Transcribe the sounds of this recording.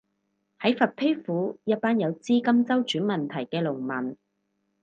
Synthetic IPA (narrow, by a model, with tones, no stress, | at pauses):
hɐ˨˥jfɐ˨t̚pʰe˥fuː˨˥jɐ˥t̚paː˥njɐ˨˧wt͡siː˥kɐ˥mt͡sɐ˥wt͡ʃyː˨˥nmɐ˨nt̪ʰɐ˨˩jkɛː˧lʊ˨˩ŋmɐ˨˩n